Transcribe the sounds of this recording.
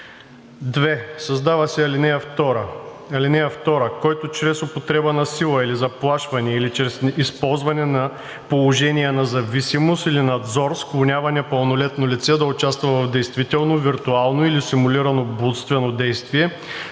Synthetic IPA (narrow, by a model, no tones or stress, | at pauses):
d̪vɛsɐzd̪avəsɛɐlinɛjəft̪ɔɾəɐlinɛjəft̪ɔɾəkɔjt̪ʊt͡ʃɾɛsopot̪ɾɛbənɐsilˠɐilizɐplˠaʃvɐnɛɛilit͡ʃɾɛsispɔlˠzvɐnɛnɐ | polˠoʒɛnijɛnɐzɐvisimost̪ilinɐd̪zɔɾsklˠonʲavɐnʲipəlˠnolɛt̪nolit̪sɛd̪ɐʊt͡ʃast̪vɐvɐvd̪ɛjst̪vit̪ɛlˠnoviɾt̪ualˠnoilisimuʊliɾɐnobut̪st̪vɛnod̪ɛjst̪viɛ